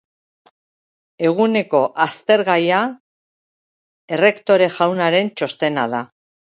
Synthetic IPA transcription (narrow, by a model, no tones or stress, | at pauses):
e̞ɣ̞une̞ko̞ʔast̪e̞ɾɣaja | e̞re̞kt̪o̞ɾe̞ʝawnaɾe̞nt͡ʃo̞st̪e̞nað̞a